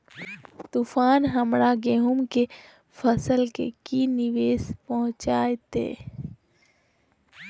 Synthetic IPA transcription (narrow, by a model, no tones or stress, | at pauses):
t̪uːfaːnɦəmɾaɡeːɦʊmke | fʰəsəlkḛkinɪʋeːspɔɦʊ̃t͡ʃaːet̪ḛː